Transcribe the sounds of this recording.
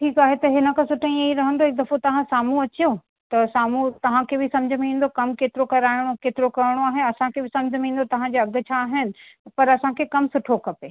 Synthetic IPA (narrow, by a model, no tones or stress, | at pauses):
ʈʰiːkaːɦet̪ɐɦɪnə̆kʰãsʊʈʰə̃ĩɐiɾɐɦə̃nd̪oɪk̚d̪ɐfot̪ɐʋ̤ãsaːmuɐt͡ɕijo | t̪ɐsaːmut̪ɐʋ̤ãkʰebɪsɐ̃md͡ʑʱəmĩːn̆d̪okɐmkeːt̪ɪɾokɐɾaːɪɽ̃okeːt̪ɪɾokɐɾɪɽ̃oaːɦeɐsãkʰebɪsɐ̃md͡ʑʱmĩːn̆d̪ot̪ɐʋ̤ãd͡ʑeɐɡʱʊ̆t͡ɕʰaːɦɪnɪ̆ | pɐɾɐsãkʰekɐmsʊʈʰokʰɐpeː